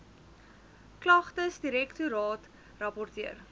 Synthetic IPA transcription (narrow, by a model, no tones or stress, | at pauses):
klɐχtəsdiɾɛktuɾɑːt | rɐpɔrtiər